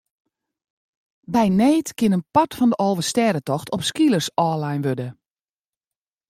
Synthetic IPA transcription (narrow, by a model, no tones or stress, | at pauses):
bɛjneːtkɪnənpɔtfɔndəʔoːvəstɛːdətɔxtʰɔpskilˠərsɔːlajnʋødə